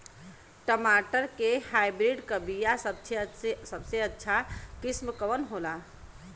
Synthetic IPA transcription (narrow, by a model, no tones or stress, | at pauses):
ʈəmaʈəɾkehajbɾiɖkəbijasəbt͡ʃʰesəbseətːʃʰakismkəʋənɦola